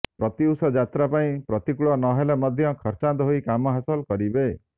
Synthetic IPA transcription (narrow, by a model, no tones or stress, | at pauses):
pɾɔt̪iusɔd͡ʒat̪ɾapaĩpɾɔt̪ikuɭɔnɔɦelemɔd̪ʱjɔkʰɔɾt͡ʃant̪ɔɦoikamɔɦasɔlkɔɾibe